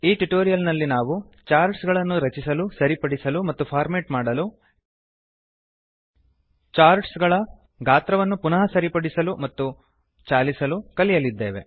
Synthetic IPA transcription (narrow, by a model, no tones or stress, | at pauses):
iːʈuʈoːɾijɐlnɐlːinaːʋu | t͡ʃaːɾɖsɡɐɭɐnːuɾɐt͡ʃisɐlusɐɾipɐɽisɐlumɐt̪ːupʰaːɾmeːʈmaːɽɐlu | t͡ʃaːɾɖsɡɐɭɐ | ɡʱaːt̪ɾɐʋɐnːupunɐɦɐsɐɾipɐɽisɐlumɐt̪ːu | t͡ʃaːlisɐlukɐlijɐlid̪ːeːʋe̞̰